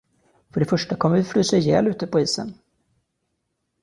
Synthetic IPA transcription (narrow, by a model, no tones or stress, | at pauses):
fœɖɛfœʂʈakʰɔmːəvɪfɾyːsəjɛ̰ːlʉ̟ːt̪əpʰɔiːsə̰n